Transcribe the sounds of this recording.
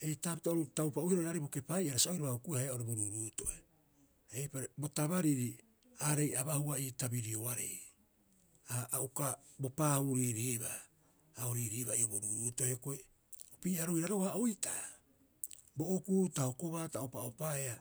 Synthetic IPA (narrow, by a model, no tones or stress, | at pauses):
e̞jtapitaoɾutawpauhiɾoɾaɾeboke̞pajaɾasaojɾaβahukuhaeaoɾeboɾuɾuːto̞ʔe | ejpaɾebo̞taβaɾiɾi | aɾe̞jaβahuaitabiɾioaɾe̞̰j | aːuka | bo̞pahuɾiɾiβa̰ː | oɾiːɾiːβaioboɾuɾuːto̞eko̞e | opiːaɾoijɾaɾoaojta | boʔokuːtaho̞ko̞βaːtawpaopaea